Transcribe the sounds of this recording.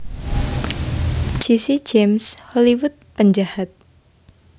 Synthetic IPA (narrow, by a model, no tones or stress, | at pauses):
d͡ʒ̥isi̥d͡ʒemshɔliwʊt̪̚pəɲd͡ʒahat̪̚